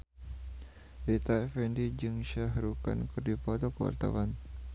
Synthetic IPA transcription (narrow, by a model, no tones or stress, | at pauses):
ɾit̪aɛfɛndid͡ʒɨŋʃaɦɾuka̰nkɨrdipat̪ɔkəwa̰rt̪a̰wan